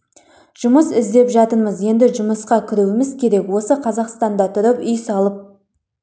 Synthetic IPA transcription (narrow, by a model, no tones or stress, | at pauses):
ʒ̥ʊməsɪzd̪e̞pʒɑt̪əɾməzje̞nd̪ɪʒʊməsqɑkʲʰɪɾuwɪmɪzkʲʰe̞ɾe̞kwo̞səqʰɑzɑqst̪ɑnd̪ɑt̪ʰʊɾəpʏjsɑlˠəp̚